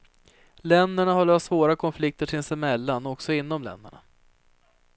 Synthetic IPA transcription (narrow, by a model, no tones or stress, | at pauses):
lɛnd̪æɳaɦaɭœːstːsvoːɾakʰɔnflɪk̚t̪əʈʰɪnsɪmɛlːanɔksɔɪnːɔmlɛ̰nd̪ə̰ɳa̰